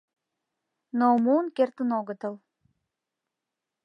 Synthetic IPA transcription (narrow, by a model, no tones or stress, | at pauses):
nomunkert̪ənoɣət̪əl